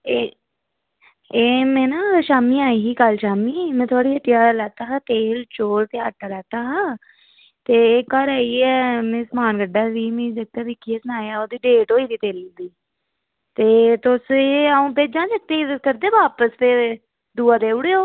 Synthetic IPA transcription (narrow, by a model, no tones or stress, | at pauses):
eː | eːmɛ̃ːnãːʃaːmĩːaːiːɦiːkəlʃaːmiːmɛ̃ːt̪ʰʊaːɽiːɦəʈːɪjaːlɛːt̪aːɦaːt̪eːlt͡ʃoːɾt̪eːəʈʰːaːlɛːt̪aːɦaː | t̪eːeːkɔːɾaːiːɛːmɛ̃ːsmaːnɡəɖaːdiːmẽːd͡ʒək̚t̪aːʋɪkʰːiːɛːsənaːjaːoːd̪iːɖeːʈoːiːd̪iːt̪eːlːd̪iː | t̪eːt̪ʊseːaːũːpeːd͡ʒãːsək̚t̪eːkəɾd̪eːbaːpəspe | d̪uːaːd̪eːʊɽeːoː